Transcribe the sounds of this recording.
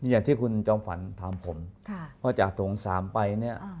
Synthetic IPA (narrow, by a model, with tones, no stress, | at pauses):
jaː˨˩ŋt̪ʰiː˥˩kʰu˧nt͡ɕɔː˧mfa˨˩˦nt̪ʰaː˨˩˦mpʰo˩˦mkʰa˥˩kaː˥˩t͡ɕa˨˩k̚t̪ʰo˩˦ŋsa̰ː˩˦mpa˧jni˥˩ɐ